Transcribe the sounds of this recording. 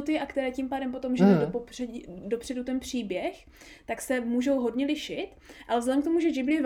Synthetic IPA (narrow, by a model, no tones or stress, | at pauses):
ot̪ɪʔakt̪ɛɾɛːcimpaːdɛmpo̞t̪omʒɛod̪opopɛdo̞pr̝̥ɛdut̪ɛnpr̝̥iːbjɛx | t̪aksɛmuːʒo̞wɦo̞dɲɛlɪʃɪt̪ʔalɛvzlɛdɛmkt̪omuʒɛd͡ʒɪblɪɛv